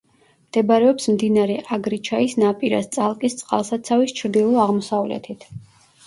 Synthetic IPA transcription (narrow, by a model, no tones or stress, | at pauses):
md̪̥ɛbaɾɛɔpsmd̪inaɾɛʔaɡɾit͡ʃʰaisnapʼiɾa̰st̪sʼalˠkʼist̪sʼqʼa̰lˠsat̪sʰavist͡ʃʰɾd̪ilˠɔaʁmɔsavlɛ̰t̪ʰit̪ʰ